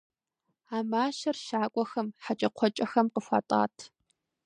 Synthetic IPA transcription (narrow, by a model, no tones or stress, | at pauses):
aːmaːʃɐrʃaːkʷʼɔxɐmħat͡ʃʼɐqʷʰɔt͡ʃʼɐxɐmqəfʷa̰ːtʼa̰ːtʰ